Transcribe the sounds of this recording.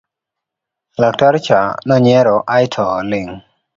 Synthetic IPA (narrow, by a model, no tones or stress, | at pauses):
lak̚taɾt͡ʃanɔɲɛɾɔʔajtʰɔlɪŋ